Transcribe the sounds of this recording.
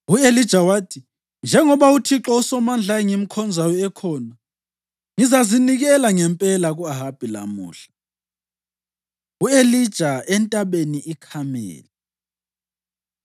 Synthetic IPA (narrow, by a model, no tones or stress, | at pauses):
uelid̥ʒ̥ʱawaːtʰi | nd͡ʒʱɛŋɔβautʰiǁɔusɔmand͡ɮʱaɛŋimikʰɔnd͡zʱajɔɛkʰɔːna | ŋizaziniɣɛlaŋɛmpʼɛlaɣuaɦab̥ʱila̰mṵːɬḁ | uelid̥ʒ̥ʱaɛntʼaɓeniikʰamɛ̰ːlɛ